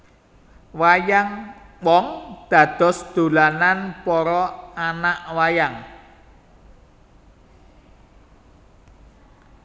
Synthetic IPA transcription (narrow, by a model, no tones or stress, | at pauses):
wajaŋwɔŋd̪̥ä̤d̪̥ɔ̤sd̪̥o̤lananpɔɾɔanaʔwajaŋ